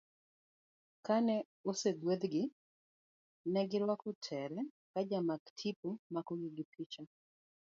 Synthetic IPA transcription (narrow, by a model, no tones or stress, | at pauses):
kanɛ | osedwed̪ɡɪ | nɛɡɪɾwakɔtʰɛɾɛ | kad͡ʒamaktʰipumakɔɡɪɡɪpʰit͡ʃa